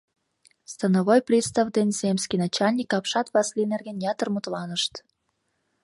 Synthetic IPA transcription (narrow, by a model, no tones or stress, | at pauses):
st̪ənoβojprʲist̪ɑvd̪enʲzemʲskʲinɑt͡ɕɑlʲnʲikɑpʃɑt̪vɑslinerɣenjɑt̪ərmut̪lɑnəʃt̪